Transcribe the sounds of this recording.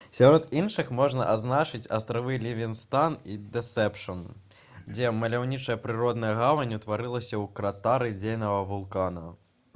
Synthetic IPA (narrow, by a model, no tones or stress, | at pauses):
sʲaɾɔt̪inʂɨxmɔʐnɐ̰ʔaznat͡ʂɨt͡sʲɐst̪ɾavɨlʲivʲinst̪anid̪ɛsɛpʂɐn | d͡zʲɛmɐlʲawnʲit͡ʂɐjɐpɾɨɾɔd̪nɐjɐɣavɐnʲut̪vaɾɨlˠɐsʲɐwkɾat̪aɾɨd͡zʲejnɐvɐvulˠkanɐ